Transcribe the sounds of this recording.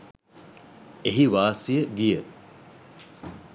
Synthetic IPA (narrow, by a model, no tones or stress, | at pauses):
eɦiʋaːsijəɡijə